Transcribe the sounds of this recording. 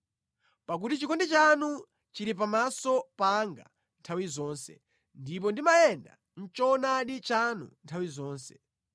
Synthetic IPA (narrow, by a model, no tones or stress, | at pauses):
pak̬utit͡ʃikɔndɛt͡ʃanu | t͡ʃiɾip̬amasɔpaŋɡa̰ | ntʰawizɔːnsɛ̰ | ndip̬ɔndimajɛnda̰ | n̩t͡ʃɔnaɗit͡ʃanṵntʰawizɔːnsɛ̥